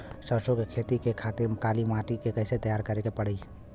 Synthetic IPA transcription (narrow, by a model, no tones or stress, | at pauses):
səɾsõkekʰeːt̪ikekʰaːt̪ɪɾkaːlimaːʈikekəɪset̪əjaːɾkəɾekepəɽ̤əi